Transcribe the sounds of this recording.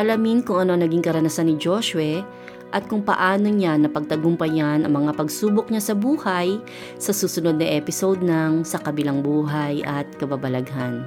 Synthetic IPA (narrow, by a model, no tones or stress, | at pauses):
ʔɐlɐminkʊŋɐnoɐŋnɐɡiŋkɐɾɐnɐsanːɪd͡ʒoʃwɛ | ʔɐt̪̚kʊŋpɐ̰ʔaːno̞ɲanɐpɐɡ̚t̪ɐɡʊmpɐjanɐ̰ŋmɐŋapɐɡsuːbok̚ɲasɐbuːhaj | sɐsuːsʊno̞d̪̚nɐʔɛpɪsowd̪̚nɐŋsɐkɐbɪlaŋbuːɦajʔɐt̪̚kɐbabɐlɐɡhan